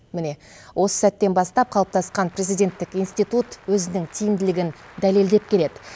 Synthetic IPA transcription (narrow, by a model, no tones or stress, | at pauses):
mɪne̞ | wʔo̞sə̥sæt̪ːe̞nbɑst̪ɑp̚qʰɑlˠəp̚t̪ɑsqɑnpre̞zijd̪ʲe̞nt̪ːɪkijnst̪ijt̪ut̪wɵzɪnɪŋt̪ʰijɪmd̪ɪlɪɡʲɪn | d̪æle̞ld̪e̞p̚kʲʰe̞le̞d̪ɪ